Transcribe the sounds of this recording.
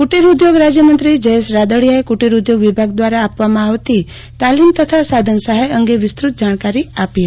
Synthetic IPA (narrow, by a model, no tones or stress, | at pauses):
kuʈiɾud̪joɡɾad͡ʒjəmə̃nt̪ɾid͡ʒəeʃɾad̪əɽijaekuʈiɾud̪joɡʋibʱaɡd̪ʋaɾaːpʋamãaʋt̪i | t̪alimt̪ət̪ʰasad̪ʱənsaɦeəŋɡeʋɪst̪ɾut̪̚d͡ʒaɽ̃kaɾiape